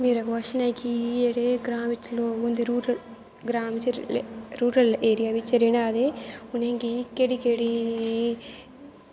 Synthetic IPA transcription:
miːɾɐkɐʋɐʃinɐjkieɽeɡɾaːmit͡ʃloːund̪iɾuːɾɐl | ɡɾaːmit͡ʃeɾuːɾɐleːɾijaʋit͡ʃːɐɾinad̪euneŋkikeɽikeɽi

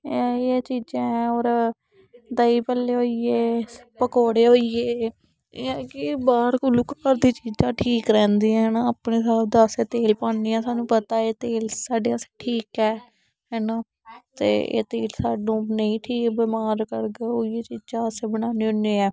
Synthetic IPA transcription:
eːt͡ʃiːd͡ʒãːɛ̃ːoːɾ | d̪əiːpəlːeːoːieːpəkoːɽeːɦoːieː | ãːkɪbaːɾkʊluːkkəɾd̪iːt͡ʃiːd͡ʒãːʈʰiːkɾɛ̃ːnd̪iːɛ̃ɛnaːaːpneːsaːbd̪aseːt̪eːlpaːniːɛ̃ːsaːnũːpət̪aːeːt̪eːlsaːɖeːase̥ʈʰiːkɛː | ɦɛːnaː | t̪ḛːḛːt̪eːlsaːɖũːnəĩːʈʰiːkbeːmaːɾkəɾɡeoːɪjeːt͡ʃiːd͡ʒãːəseːbəɽaːneːʊneːɛː

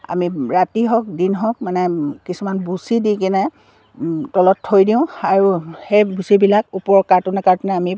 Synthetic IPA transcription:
a̰miɹatiɦɔk̚dinɦɔ̃k̚manɛkisumanbusidikinɛ | tɔlɔtʰːojdiʊ̃aɹuhejbusibilakupɔɹkaɹtʊnɛkaɹtʊnɛami

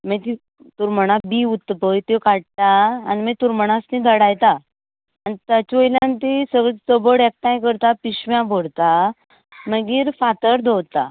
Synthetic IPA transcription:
mət̪i | t̪uɾməɽ̃abiut̪ːpəjt̪ekaɽ̚t̪aːnimət̪uɾməɽ̃asnĩd̪ʱəɽajt̪aː | nit̪at͡ɕojlãnt̪isəɡɭət͡səbəɽɛk̚t̪ãjk̬əɾt̪apiɕʋjãbʱolt̪a | məɡiːɾfat̪əɾd̪ʱowt̪a̰

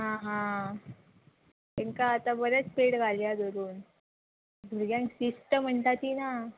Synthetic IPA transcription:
ɦãɦã | t̪eŋkaət̪abəɾət͡speʈɡʱaljad̪əɾuːn | d̪ʱuɾɡjãŋksisʈəm̤əɳt̪at̪iːna

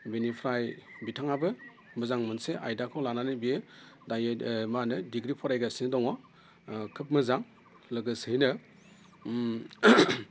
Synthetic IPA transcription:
binipʰɾajbitʰaŋabɯ | mɯzaŋmɯnseʔajdakʰɯwlananɯbdajmanɯdiɡɾipʰɔɾajɡasinɯdɔŋa | kʰɯp̚mɯzaŋ | lɯɡɯsɯjnɯ

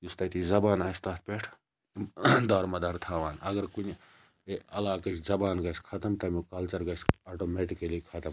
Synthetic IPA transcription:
just̪ɐt̪izɐbaːnaːst̪aːt̪̚ʰpʲeːʈʰ | d̪aːɾmɐd̪ɐɾt̪ʰaːʋaːnɐɡɐɾkunʲ | eɐlaːkɐt͡ʃʰzɐbaːnɡɐskʰɐt̪ɐmt̪ɐmikɐlt͡ʃɐɾɡɐsaːʈoːmeːʈikɐlikʰɐt̪ɐm

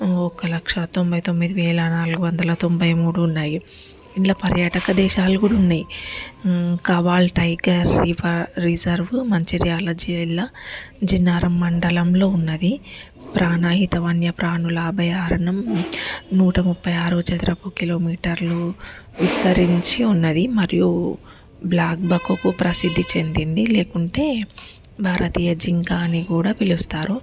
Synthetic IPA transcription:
ɔkɐlɐkʂɐt̪o̞mbɐjt̪o̞mːid̪iʋɛːɭɐnaːluɡuʋɐnd̪ɐlɐt̪o̞mbɐjmuːɽuːnːaːju | inlːɐpɐɾjaːʈɐkɐd̪ɛːʃaːlɐkuːɽɐunːaːji | kɐʋaːlʈɐjɡɐɾipʰɐːizɐɾʋmɐɲt͡ʃiɾijaːlɐd͡ʒiilːɐd͡ʒinːaːɾɐmːɐɳɖɐlɐmlo̞ːunːɐd̪i | pɾʔaːnaːɦit̪ɐʋɐnjɐpɾaːɳulɐaːbʱɐjaːɾɐɳɐm | nuːʈɐmupːɐjaːɾut͡ʃɐt̪ɾɐpuːkilo̞ːmiːʈɐɾluʋist̪ɐɾiɲt͡ʃiunːɐd̪imɐɾiju | blaːk̚bɐkukupɾɐsid̪ʱːit͡ʃe̞nd̪ind̪ile̞ːkuɳʈe̞ː | bʱaːɾɐt̪iːjɐd͡ʒiŋkaːniɡuːɽaːpilust̪aːɾu

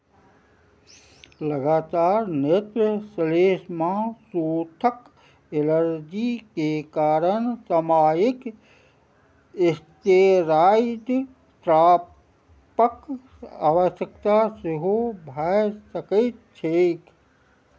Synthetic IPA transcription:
ləɡaːt̪aːɾnet̪ɾəsleːsmãsoːt̪ʰək | eləɾd͡ʒikekaːɾənsəmaːjɪk | ɪst̪eɾaːɪt̪ | t̪ɾaː | pək | a̰ːʋəsjəkt̪asɪɦobʱajsəkət̪̚t͡ʃʰek

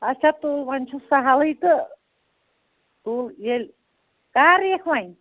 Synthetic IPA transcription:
ɐt͡ʃʰat̪uːlʋanʲt͡ʃʰosaɦalɨjt̪ɨ | t̪uːljelʲ | kaːɾekʰʋãj

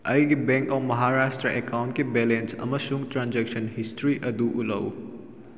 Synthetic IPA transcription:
ɐjɡebɛ̃ŋkɔːmɐɦaɾaːʃʈɾəʔekãʊ̃ɳʈ̚kebɛːlẽnsɐ̰mɐʃũŋɡʈɾãːnd͡ʒekʃənɦɪsʈɾiʔɐd̪uʔʊlə̰w

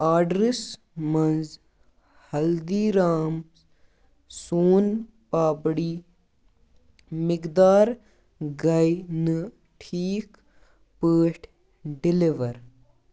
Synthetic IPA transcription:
aːɖɾɪs | mɐnz | hɐld̪iːɾaːm | soːn | paːbɽiː | mɪkd̪aːɾ | ɡɐjnɨ | ʈʰiːk | pəːʈʰ | ɖɪliʋɐɾ

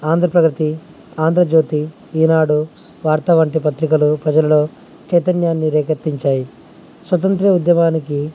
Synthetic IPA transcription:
aːnd̪ʱɾɐpɾɐkɾit̪i | aːnd̪ɾɐd͡ʒoːt̪i | iːnaːɽu | ʋaːɾt̪ɐʋɐɳʈipɐt̪ɾikɐlupɾɐd͡ʒɐlɐlo̞ː | t͡ʃɐjt̪ɐnjaːnːiɾɛːkɐt̪ːiɲt͡ʃaːji | sʋɐt̪̬ɐnt̪ɾɐud̪jɐmaːniki

